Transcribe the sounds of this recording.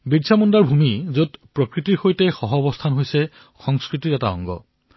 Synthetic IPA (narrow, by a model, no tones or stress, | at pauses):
bidsʰamɔndaɹbʱumizotpɹokɹitiɹxojtɛxɔɦɔbɔstʰanɦojsɛ | xɔŋskɹitiɹɛta̰ɔ̰ŋɡɔ̰